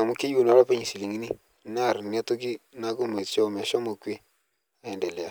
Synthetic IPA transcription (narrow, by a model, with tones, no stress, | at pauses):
a˨mu˦ki˦ju˦˨nɔ˨˦lɔ˦pe˦ɲi˨si˨li˨ŋi˦ni˦ | na˦˨ɾn˦a˦to˦ɡi˦na˦ɡo˦me˨t͡ʃo˦˨m˨e˨ʃɔ˦mo˨kwe˦ | a˨ɛ˨nde˨le˨a˨